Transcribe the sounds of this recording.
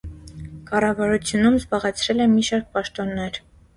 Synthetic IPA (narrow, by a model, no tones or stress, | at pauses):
kɑrɑvɑɾut͡sʰjunumzbɑʁɛt͡sʰɾɛlɛmiʃɑɾk̚pɑʃt̪ɔnːɛɾ